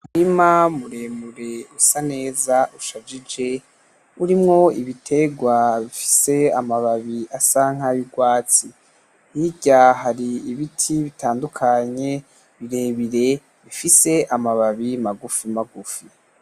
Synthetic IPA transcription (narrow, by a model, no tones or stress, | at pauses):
muɾimamuɾe̞muɾe̞usane̞ːzaʔuʃavid͡ʒe̞ | uɾimŋo̞iβitʰe̞ɡwaβifi̥se̞amaβaβiasaŋ̥ajuɡwaːt͡si | hiɟaɦaɾiiβitʰiβitaːndukʰaɲe̞ | βiɾe̞ːβiɾe̞ | βifise̞ʔamaβaβimaɡufimaɡufi